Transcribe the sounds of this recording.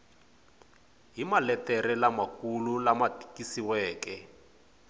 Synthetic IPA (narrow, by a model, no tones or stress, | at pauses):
ɦimalɛtɛɾɛlamakululamati̥kisiwɛːkɛ